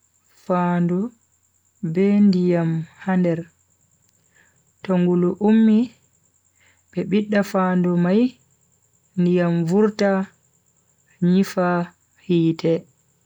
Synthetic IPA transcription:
faːndɔ | bɛndijamhandɛɾ | tɔŋɡuluʔumːi | ɓɛɓiɗːafaːndumaj | ndijamvuɾta | ɲifa | hiːtʰɛ

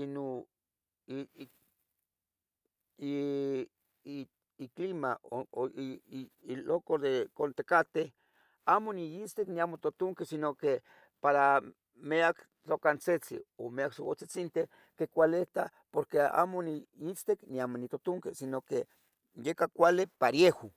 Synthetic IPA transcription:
ino | i | iklimaoo | ilokod̪ekont̪ekat̪eh | amonijit͡st̪ekniamot̪ot̪oŋkesinoke | paɾa | meak | t͡ɬokant͡set͡sḭomeaksoko̰t͡set͡sint̪eh | kekʷaleht̪a | poɾkea̰moniit͡st̪ekniamonit̪ot̪oŋkesinoke | jekakʷalepaɾjeho

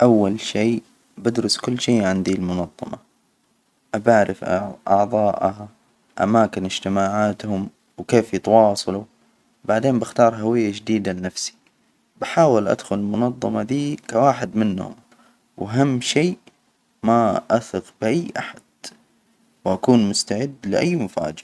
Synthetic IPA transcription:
ʔawːalʃeː | bad̪ɾʊskʊlːʃeːʔʕɪnd̪ilmʊnɑðˤːɑ̰mɑ | ʔabaʕɾɪfʔʔɑʕðˤɑːʔha | ʔa̰maːkɪnɪd͡ʒ̥t̪ɪmaːʕaːt̪hʊm | wkeːfjɪt̪wɑːsˤɑlu | baʕd̪eːmbɪxt̪ɑːɾˤɦawɪjːad͡ʒd̪iːd̪alɪnafsi̥ | baħaːwɪlʔa̰d̪xʊlɪlmʊnɑðˤːɑmɑd̪iːkawaːħɪd̪mɪnːhʊ̰m | waɦamːʃiː | maʔaθɪqbɪʔajːʔaħad̪̥ | wʔakuːnmʊst̪aʕɪd̪ːlɪʔajːmʊfa̰ːd͡ʒɪa

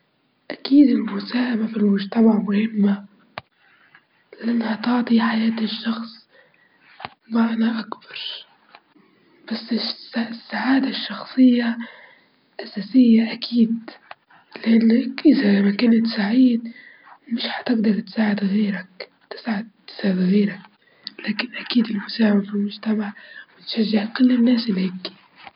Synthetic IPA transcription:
ʔakiːd̪ʔɪlmʊsaːʔamafilmʊʒt̪amaʕmʊhɪmːa | lɪʔanːhat̪ɑʕt̪ˤiħajaːt̪ɪʃːɑxsˤ | maʕnaʔakbɑɾˤ | b̥asːɪsasːaʕaːd̪aʃːɑxsˤɨjːa | ʔasaːsɪjːaʔakʰiːd̪ | lɪʔanːakʔɪzamakaːnɪt̪saʕiːd̪ | mɪʃhḁt̪ɪɡd̪ɑɾˤt̪saːʕɪd̪ɣeːɾak | t̪ɪ̥sʕɪd̪̚t̪ɪ̥saːʕɪd̪ɣeːɾak̚ | laːkɪnʔakiːd̪ɪlmʊsaːʕɪbafilmʊʒt̪amaʕwɪt̪ʃaʒːɪʕkʊlːɪnːaːsɪlhɪkːi̥

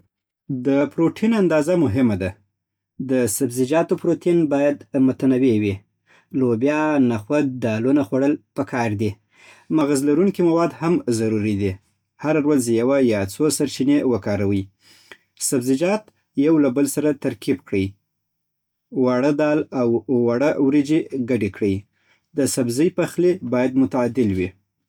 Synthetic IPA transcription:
d̪əpɾoʈʰinand̪ɑzamʊɦɪmad̪a | d̪əsabzɪd͡ʒɑt̪opɾot̪inbɑjad̪mʊt̪anawewi | lobjɑnaxwad̪̚d̪ɑlunaxwaɽəlpəkʰɑɾd̪i | maɣazlaɾuŋkimawɑd̪hamzaɾuɾid̪i | haɾaɾwazjawajɑt͡sosaɾt͡ʃinewəkɑɾawəj | sabzɪd͡ʒɑt̪ | jawlabəlsaɾat̪aɾkibkɽəj | waɽəd̪ɑlawːaɽawɾid͡ʒeɡaɖekɽəj | d̪əsabzəjpaxlebɑjad̪mʊt̪aɑd̪ɪlwi

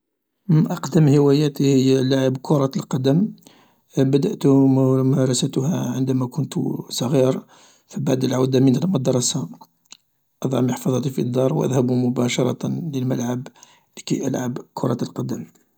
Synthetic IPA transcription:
ʔɑqd̪əmhəwæjæt̪ihəjːælaʕəbkʰʊɾˤɑlqɑd̪əm | bəd̪əʔt̪mɑɾˤɑsæt̪hæʕənd̪æmækʊnt̪sˤɑɣiɾ | fibaʕd̪əlʕawd̪amənməd̪ɑɾˤɑsa | ʔɑd̪ˤʕɑmiħfɑðˤɑt̪ifid̪ːɑɾˤwʔæ̰d̪hæbumʊbɑʃɑɾˤɑ̰t̪ləlməlʕab | likæ̰jʔæ̰lʕabkʰʊɾˤɑt̪əlqɑd̪əm

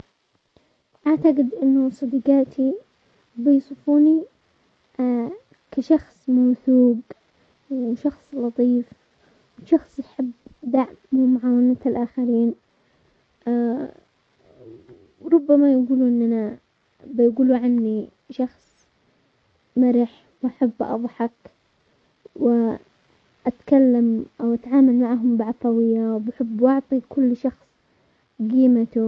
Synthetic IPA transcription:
ʔaʕt̪aɡɪd̪ʔɪnːʊsˤɑd̪iːqaːt̪ʰi | bɪjsˤɨfuːni | kaʃɑxsˤmawθuːɡ | wʃɑxsˤlɑt̪ˤiːf | wʃɑxsˤjħɪbd̪aʕmʊmʊʕaːwanat̪alʔaːxaɾiːn | ɾˤʊbːamajɡuːluːʔɪnːʔana | bɪjɡuːluʕanːi | ʃɑxsˤ | maɾɪħ | wʔaħabːʔɑ̰ðˤħɑk | wɪ | ʔat̪kalːamʔawʔat̪ʕaːmalmaʕɦʊmbɪʕɑt̪ˤɑwɪjːawbaħɪbːwʔɑʕt̪ˤikʊlːʃɑxsˤ | ɡiːmat̪u

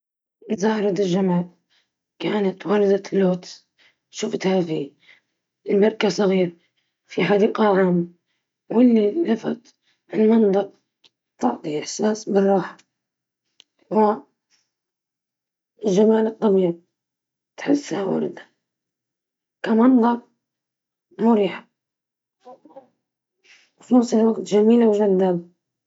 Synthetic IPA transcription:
zaːɾˤɑd̪ɪlʒamaːl | kaːnat̪wɑɾˤd̪alːoːt̪ | ʃʊft̪haːfi | ɪlmɑɾˤkasˤɑɣiːɾ | fiħɑd̪iːqaʕaːmːa | wɪlːilafa̰t̪ | ʔɪlmɨnt̪ˤɑq̚ | t̪ɑʕt̪ˤiʔɪħsaːsbɨrˤːɑːħḁ | a | lʒamaːlɨt̪ˤːɑmiːɾ | t̪ħɪsːhawɑ̰ɾd̪ḁ | kamɑnd̪ˤɑɾ | mʊɾiːħḁ | fluːsˤɪlwaɡt̪ʒamiːlawʒald̪ab̪

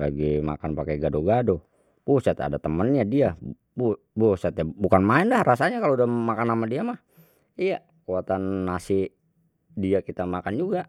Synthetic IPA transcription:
la̰ɡima̰kanpakɛɡadoɡado | busat̪a̰dat̪əmənɲadia | bu | bosat̪abukanmaɛndahrasaɲakalodahmakanːamadiamah | ija | kuwat̪anːasɪ | diakit̪amakand͡ʒuɡa

